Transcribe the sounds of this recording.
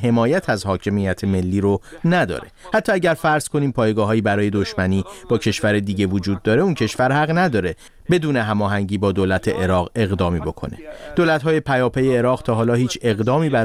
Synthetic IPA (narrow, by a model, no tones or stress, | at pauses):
ɦe̞mɒːjæt̪ʰæzhɒːcʰe̞mijæt̪ʰeme̞lːiːɾonæd̪ɒ̰ːɾe̞̰hæt̪ʰːɒːæɟæɾfæɾz̥kʰo̞niːmpʰɒːjeɡɒːɦɒːjiːbæɾɒːje̞d̪oʃmæniːb̥ɒːcʰe̞ʃvæɾed̪iːɟevod͡ʒuːd̪̚ːɒːɾeuncʰe̞ʃvæɾhæɣnæd̪ɒːɾe̞ | be̞d̪uːneɦæmɒːɦæŋɟiːbɒːd̪oːlæt̪ʰe̞ʔeɾɒːɣe̞ɣd̪ɒːmiːbo̞kʰo̞̰ne̞̰d̪̥oːlæt̪ɦɒːje̞pʰæjɒːpʰejeːɾɒːɣt̪ʰɒːɦɒːlɒːhiːt͡ʃʰe̞ɣd̪ɒːmiːbæ